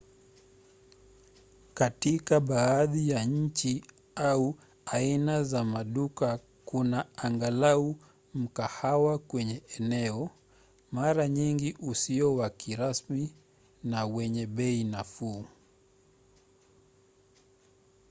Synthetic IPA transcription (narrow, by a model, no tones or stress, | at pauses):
katikaɓaːðijaɲ̩t͡ʃi | au | ainazamaɗuka | kunaaŋɡalau | m̩kahawakwɛɲɛɛnɛɔ | maɾaɲiŋɡiʔusiɔwakiɾasmi | nawɛɲɛɓɛinafuː